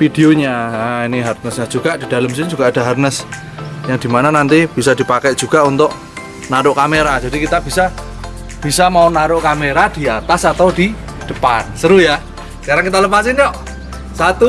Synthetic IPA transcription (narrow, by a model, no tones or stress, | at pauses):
fid̥eoɲaainiɦarnəsɲḁd͡ʒuɡ̥aʔd̥i̤d̥a̤ləmsɪnd͡ʒuɡ̥aːd̥a̤ɦarnəs | jaŋd̥imananant̪ib̥isad̥i̤pakɛʔʒ̥uɡ̥aunt̪ʊʔ | naɾʊʔkameɾad͡ʒadikit̪ab̥isa | b̥isamaunaɾʊʔkameɾad̥i̤at̪asat̪awd̥i̤ | d̪̥ə̤pansəɾuja | kaɾaŋkit̪aləpasiniɔʔ | sat̪u